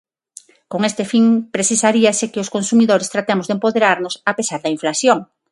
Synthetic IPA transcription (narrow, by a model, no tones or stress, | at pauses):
koŋest̪efiŋpɾesisaɾiasekɪʊskonsumiðoɾɪst̪ɾat̪emʊzðempoðeɾaɾnʊsapesaɾðɐiɱflasjoŋ